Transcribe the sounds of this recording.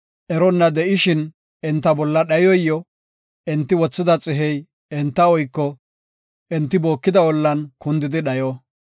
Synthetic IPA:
ʔɛɾɔnːɐd̪ɛʔɪʃɪn | ɛnt̪ːɐbɔlːɐɗɐjɔjːɔ | ʔɛnt̪ːɪwɔt͡sːɪd̪ɐt͡sʼɪɦɛj | ɛnt̪ːɐɔjkːɔ | ʔɛnt̪ːɪboːkːɪd̪ɐwɔlːɐnkʊnd̪ɪd̪ɪɗɐjɔ

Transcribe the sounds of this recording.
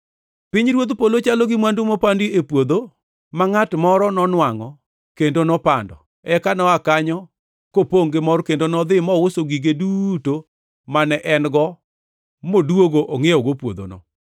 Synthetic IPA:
pɪɲɾwod̪polot͡ʃaloɡɪmwandumɔpandiepwod̪o | maŋatmɔɾɔnɔnwaŋɔ | kendonɔpa̰ndɔ̰ | ɛkanɔakaɲɔ | kopoŋɡemɔrkendonɔd̪ɪmɔwosoɡiɡeduto | manɛʔɛnɡɔ | modwoɡoʔɔŋeɔɡopwo̰d̪o̰nɔ̰

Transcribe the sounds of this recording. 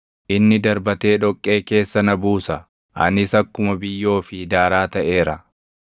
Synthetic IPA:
ʔɪnːɪd̪ɐɾbɐt̪e̞ːᶑɔkʼːe̞ːke̞ːsːɐnɐbuːsɐ | ʔɐ̰nɪsɐkːʊmɐbɪjːo̞ːfɪd̪aːɾaːt̪ɐʔe̞ːɾɐ

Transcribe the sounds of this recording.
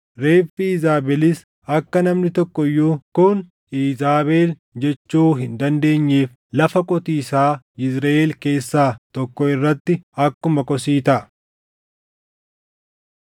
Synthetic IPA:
ɾe̞ːfiːzaːbɛlɪs | ɐkːɐnɐmnɪt̪ɔkːɔjːuːkʊn | iːzaːbe̞ːl | d͡ʒɛt͡ʃːuːɦɪnd̪ɐnd̪e̞ːɲːeːf | lɐfɐkʼɔt̪iːsaː | ɪsɾɐːʔeːlke̞ːsːaːt̪ɔkːɔɪrːɐt̪ːɪɐkːʊmɐkʼɔsiːt̪ɐ

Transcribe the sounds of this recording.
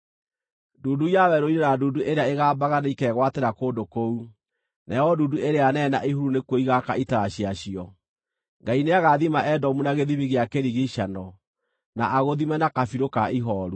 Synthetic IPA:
duːdujawɛɾoiɾeɾaduduʔeɾeaeɣaːbaɣanaikɛɣwateɾakoːndokou | nɛɔduduʔeɾeanɛna̰ʔiɦuɾunekwoiɣakaitaɾaɕiaɕiɔ | ŋɡaineaɣaðimaʔɛdɔmunaɣeðiβiɣeakeɾiɣiɕanɔ | naʔaɣoðimɛnakafiɾokaiɦɔːɾu

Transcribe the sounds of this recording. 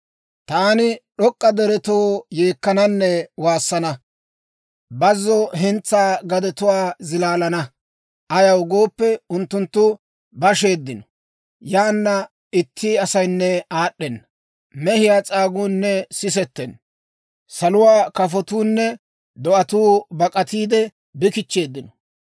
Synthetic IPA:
t̪aːnɪɗɔkʼːɐd̪ɛɾɛt̪oːjeːkːɐnɐnːɛwaːsːɐnɐ | bɐzːɔɦɛnt͡sːaːɡɐd̪ɛt̪ʊwaːzɪlaːlɐnɐ | ʔɐjɐwɡo̞ːpːɛʊnt̪ːʊnt̪ːʊ | bɐʃe̞ːd̪ːɪnɔ̥ | jaːnːɐ | ɪt̪ʰːiɐsɐjnːɛaːɗːɛnːɐ | mɛhɪjaːt͡sʼaːɡuːnːɛsɪs̬ɛt̪ːɛn | sɐlʊwaːkɐfɔt̪uːnːɛ | d̪ɔʔɐt̪uːbɐkʼɐt̪iːd̪ɛ | bɪkɪt͡ʃːe̞ːd̪ːɪnɔ

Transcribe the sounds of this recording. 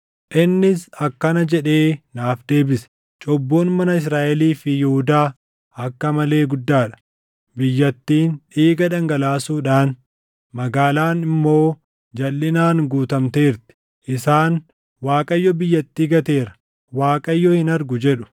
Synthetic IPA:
ʔɪnːɪsɐkːɐnɐd͡ʒɛᶑe̞ːnaːfd̪e̞ːbɪsɛ̥ | t͡ʃʼɔbːoːnmɐnɐɪs̬ɾaːʔɛliːfɪjɛhʊd̪aː | ɐkːɐmɐle̞ːɡʊd̪ːaːᶑɐ̥ | bɪjːɐt̪ːiːnᶑiːɡɐᶑɐŋɡɐlaːsuːᶑaːn | mɐɡaːlaːnɪmːo̞ː | d͡ʒɐlːɪnaːnɡuːt̪ɐmt̪e̞ːɾt̪ɪ̥ | ʔɪsaːn | waːkʼɐjːɔbɪjːɐt̪ːiːɡɐt̪e̞ːɾɐ̥ | waːkʼɐjːɔhɪnɐɾɡʊd͡ʒɛᶑʊ̥

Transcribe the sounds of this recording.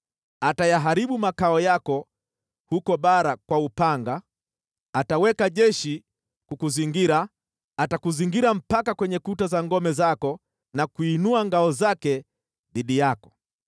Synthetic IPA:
atajaɦaɾiɓumakaɔjakɔ | hukɔɓaɾakwaupaŋɡaː | tawɛkaʄɛʃi | kukuziŋɡiɾaː | takuziŋɡiɾam̩pakakwɛɲɛkutazaŋɡɔmɛzakɔ | nakuinuaŋɡaɔzakɛ | ðiɗijakɔ̥

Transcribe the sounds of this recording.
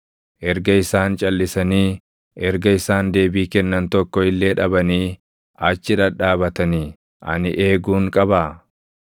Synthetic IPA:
ʔɛɾɡɐɪsaːnt͡ʃʼɐlːɪsɐniː | ʔɛɾɡɐɪsaːnd̪e̞ːbiːkɛnːɐnt̪ɔkːɔɪlːe̞ːᶑɐbɐniː | ʔɐt͡ʃːɪᶑɐᶑaːbɐt̪ɐni | ʔɐ̰nɪʔe̞ːɡuːŋkʼɐbɐ

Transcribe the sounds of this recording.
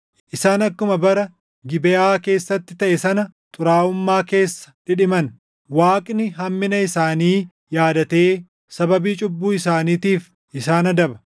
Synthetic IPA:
ʔʔɪsaːnɐkːʊmɐbɐɾɐ | ɡɪbɛʔaːke̞ːsːɐt̪ːɪ̥t̪ɐʔɛsɐnɐt̪ʼʊɾaːʊmːaːke̞ːsːɐ̥ᶑɪᶑɪmɐn | waːkʼnɪɦɐmːɪnɐɪsaːniː | jaːd̪ɐt̪e̞ː | sɐbɐbiːt͡ʃʼʊbːuːɪs̬aːniːt̪iːf | ʔɪsaːnɐd̪ɐbɐ

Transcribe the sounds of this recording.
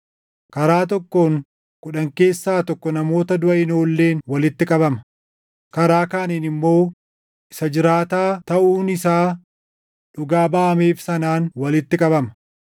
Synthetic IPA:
kɐɾaːt̪̬ɔkːoːŋ | kʼʊᶑɐŋke̞ːsːaːt̪ɔkːɔnɐmo̞ːt̪ɐd̪ʊʔɐɪno̞ːlːe̞ːnwɐlɪt̪ːɪkʼɐbɐmɐ̥ | kɐɾaːkaːniːnɪmːo̞ː | ʔɪsɐd͡ʒɪɾaːt̪aːt̪ɐʔuːnɪsaː | ᶑʊɡaːbaːʔɐmeːfsɐnaːnwɐlɪt̪ːɪkʼɐbɐmɐ

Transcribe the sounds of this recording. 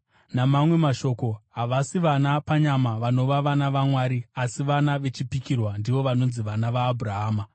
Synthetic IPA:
namamwe̞maʃo̞ːkoɦaʋasiʋanapaɲamaʋano̞ʋaʋanaʋamwaːɾiasiʋanaʋe̞t͡ʃipikirwandiʋo̞ʋano̞nziʋanaʋaːbʱuraɦaːma

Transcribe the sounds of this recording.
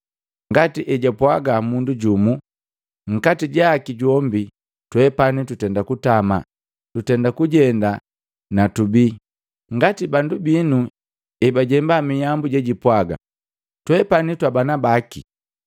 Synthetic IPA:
ŋɡatiʔɛɟapwaɡamunduɟumu | ŋ̩katiɟakiɟɔmbi | twɛpanitutɛndakutama | tutɛndakuɟɛnda | natubi | ŋ̩ɡatibandubinu | ɛbaɟɛmbamijambuɟɛɟipwaɡa̰ | twɛpanitwabanabaki

